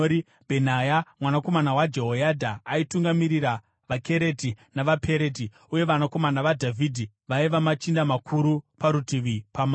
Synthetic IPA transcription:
i | bʱenajamwanako̞manawad͡ʒe̞ɦojadʱaːituŋɡamiɾiɾa | ʋake̞ɾe̞tinaʋapʰe̞ɾe̞ti | uje̞ʋanako̞manaʋadʱavʱidʱi | ʋaiʋamat͡ʃindamakʰuɾupaɾutiʋipama

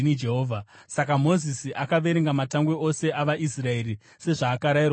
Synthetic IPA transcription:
inid͡ʒeɦoːvʱasakamo̞zisiʔakaʋe̞ɾeŋɡamataŋɡweʔo̞se̞ʔaʋaʔisrae̞ri | se̞ʐaːkaɾairw

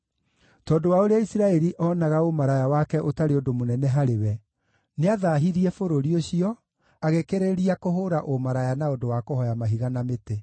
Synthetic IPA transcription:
tɔːdowaoɾeaisiɾaɛɾiʔɔːnaɣaomaɾajawakɛʔotaɾeodomonɛnɛɦaɾewɛ | neaðaːɦiɾiɛfoɾoɾioɕiɔ | aɣekeɾeɾiakoɦoɾaʔomaɾajanaodowakohɔjamaɦiɣanamete

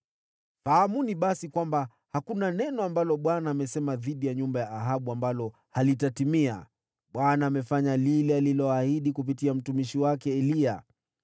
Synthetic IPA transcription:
fahamuniɓasikwamba | hakunanɛnɔambalɔɓwanaːmɛsɛmaðiɗijaɲumbajaːɦaɓuambalɔ | halitatimia̰ | ɓwanaːmɛfaɲalilɛalilɔahiɗikup̬itiam̩tumiʃiwakɛːlia

